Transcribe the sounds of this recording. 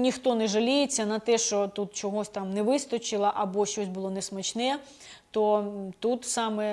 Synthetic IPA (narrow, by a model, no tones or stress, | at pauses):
nʲixt̪ɔnɛʒɐlʲijet͡sʲːɐnɐt̪ɛʃt͡ʃɔt̪ut̪̚t͡ʃɔɦɔsʲt̪ɑmnɛʋɪst̪ɔt͡ʃɪlˠɐʔɐbɔʃt͡ʃɔsʲbʊlˠɔnɛsmɐt͡ʃnɛ | t̪ɔt̪ut̪sɑmɛ